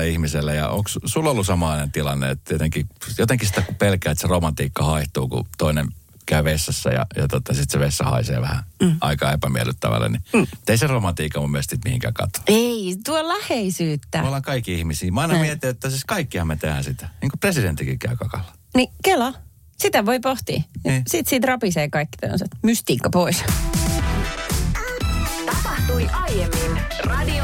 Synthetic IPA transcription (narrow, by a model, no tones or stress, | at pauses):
eihmiselːejɑ̰o̰ŋkssulːolːusɑmɑlɑinent̪ilɑnːḛḛt̪t̪iet̪eŋkijot̪eŋkisit̪ækupelkæːet̪seromɑnt̪iːkːɑhɑiht̪ṵːkṵt̪oinen | kæyʋesːɑsːæ̰jɑ̰jɑt̪ot̪ɑsit̪seʋesːɑhɑ̰isḛːʋæhæɑ̰ikɑepæmiælːˑyt̪ːæ̰ʋæ̰lːḛniut̪eiseromɑnt̪iːkːɑmumyøst̪iːt̪mihiŋkæ̰ːkɑ̰t̪o̥eit̪uolæheisyːt̪ːæolːɑŋkɑikːiihmisiːmɑinɑmiɛt̪ːˑiːjot̪ːæsiskɑikːihɑmmet̪ehæ̰nsit̪æ̥niːŋkopresident̪ːikikæykɑkɑlːɑ̥ | nikelːɑ | sit̪æʋoipoht̪ḭːjɑsit̪siːt̪rɑpiseːkɑikːi̥t̪o̰nset̪myst̪iːkːɑpois | t̪ɑpɑht̪uiʔɑjemːinrɑdi